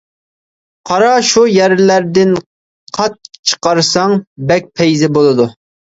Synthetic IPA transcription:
qʰɑɾɑʃujɛɾlæɾd̪ɪn | qʰɑt̪̚t͡ʃʰə̥qɑɾsɑŋbɛk̚ʲpʰɛjzɪbolˠɨd̪u

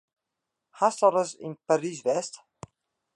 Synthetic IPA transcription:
hast̪ɔɾəzḭnpaɾizvɛst̪

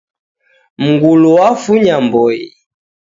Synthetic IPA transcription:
m̩ɡulɔwafuɲambɔi

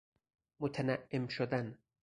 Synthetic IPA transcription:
mot̪ʰænæʔːemʃod̪æn

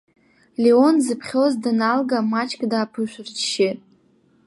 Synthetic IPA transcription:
lʲeonzɨpʰχʲozdɨnalɡamat͡ʃʼkʼdaːpʰɨʃʷɨrt͡ʃʰʃɪtʼ

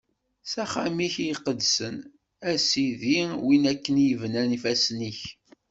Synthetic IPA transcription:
sæχæmiçjqːəd̪sən | æsiðiwinækːənjəvnænifæsniç

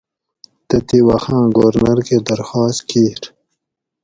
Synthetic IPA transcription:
t̪ɐt̪iwaxãːɡoɾnaɾked̪aɾxɑːst̪kiːɾ

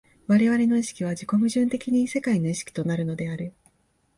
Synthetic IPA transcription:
βaɾe̞β̞aɾe̞no̞iɕi̥kʲiβ̞ad͡ʑiko̞mɯ̟ʑɨ̃nt̪e̞kʲiɲ̟ise̞kaino̞iɕi̥kʲi̥t̪o̞naɾɯ̟no̞d̪e̞aɾɯ̟

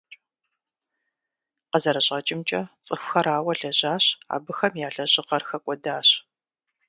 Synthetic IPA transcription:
qəzɐɾɐɕʼɐt͡ʃʼɪmt͡ʃʼɐt͡sʼɨxʷxɐɾaːwɐɮɐʑaːɕa̰ːbɨxɐmjaːɮɐʑɪqɐrxɐkʷʼɔdaːɕ

